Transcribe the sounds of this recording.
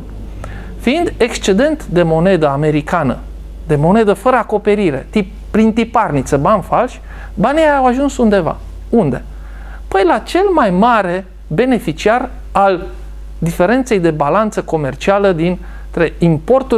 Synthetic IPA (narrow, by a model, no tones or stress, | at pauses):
fiind̪e̞kst͡ʃe̞d̪e̞nt̪d̪e̞mo̞ne̞d̪əame̞ɾikanə̰ | d̪e̞mo̞ne̞d̪əfəɾəako̞pe̞ɾiɾe̞̰t̪ip̚ | pɾint̪iparnit̪səbanfalʃʲ | baniawaʒunsund̪e̞va̰ | und̪e̞ | pəjlat͡ʃe̞lmajmaɾe̞ | be̞ne̞fit͡ʃiar | al | d̪ife̞ɾe̞nt̪se̞jd̪e̞balant̪səko̞me̞rt͡ʃialəd̪in | t̪ɾe̞impo̞rt̪u